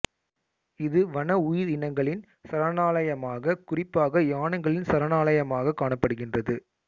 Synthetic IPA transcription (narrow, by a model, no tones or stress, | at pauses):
ɪðɯʋɐɳɐʊjɪɾɪnɐŋɡɐɭɪn | sɐɾɐnaːlɐjɐmaːɣɐkʊrɪpːaːɣɐjaːɳɐŋɡɐɭɪnsɐɾɐnaːlɐjɐmaːɣɐkːaːɳɐpːɐɽɯɣɪndrɐðɯ